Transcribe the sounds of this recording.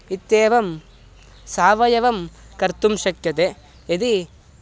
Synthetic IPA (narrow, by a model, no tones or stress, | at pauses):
it̪ːeːʋɐm | saːʋɐjɐʋɐmkɐɾt̪umʃɐkjɐt̪e | ɐd̪i